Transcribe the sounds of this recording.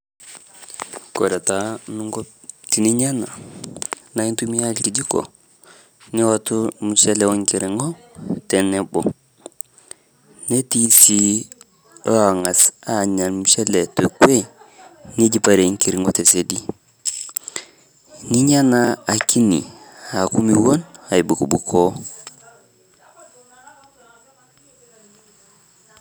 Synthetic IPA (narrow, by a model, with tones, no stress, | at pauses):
ko˨da˨ta˨nu˦ŋɡɔ˦ | ti˨ni˦ɲa˦na˨ | na˨˦i˦ntu˦mi˦ja˦lki˨d͡ʒi˦kɔ̰˨ | ni˦wa˦tu˦mu˨sɛ˦lɛ˨wɔ˦ŋki˨ɾi˨ŋɔ˦ | tɛ˨nɛ˦bɔ˨ | ne˦ti˦si˦ | a˨ŋa˨sa˨ɲa˨nmu˨se˦le˨to˨kwe˦ni˦ɟi˨pa˨ɾe˨ŋki˨ɾi˨ŋo˦te˨se˨di˦ | ni˦ɲa˦na˦a˨ki˦nḭ˨a˨ku˦mi˨wo˦na˨i˨bu˨ku˨bu˨kʰo˦